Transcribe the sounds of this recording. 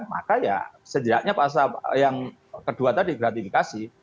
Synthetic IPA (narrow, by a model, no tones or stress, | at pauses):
ma̰kaja̰səd͡ʒiɾaʔɲapas̬ajaŋ | kəduat̪adiɡɾat̪ifikasi